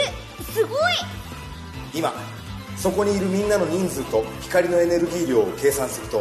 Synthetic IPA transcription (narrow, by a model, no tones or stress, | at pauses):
sɨɡoi | ima̰ | so̞ko̞ɲ̟iːɾɯ̟mʲĩnːano̞ɲ̟ĩnd͡zɨːt̪o̞çʲi̥kaɾʲino̞e̞ne̞ɾɯ̟ɡʲiːɾʲjo̞ːoke̞ːsãɰ̃sɨɾɯ̟t̪o̞